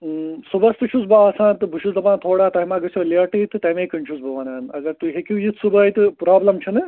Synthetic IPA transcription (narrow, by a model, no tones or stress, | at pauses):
subɐst̪ɨt͡ʃʰusbaaːsãːnt̪ɨbʱuʃusd̪ɐpãːnt̪ʰoːɽaːt̪ɐɦimãːɡɐsoːleɐʈiːt̪ɨt̪ɐmẽːkɐɳt͡ʃʰusbɐʋɐnaːnɐɡɐɾt̪uɦekuːjit̪ʰsubɐːjt̪ɨpɾaːblɐmt͡ʃʰɐnɨ